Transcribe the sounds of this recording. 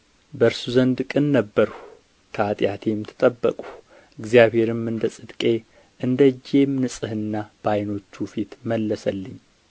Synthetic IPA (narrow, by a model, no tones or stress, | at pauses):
bəɾsuzənd̪ɨkʼɨnːəbːəɾ | t̪ʰat̪ʼjat̪ʰe̞mt̪ʰɨ̥t̪ʼəbːə̰kʼu̥ | ɨɡzijaβhe̞ɾɨmɨnd̪əsʼɨd̪kʼe̞ | ʔɨnd̪əd͡ʒːe̞mnɨsʼɨhɨnːab̥ajno̞t͡ʃːufit̪məlːəsəlːɨɲː